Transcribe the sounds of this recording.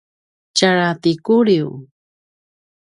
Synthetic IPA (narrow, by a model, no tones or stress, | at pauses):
t͡ʃaɾat̪ikuɾiw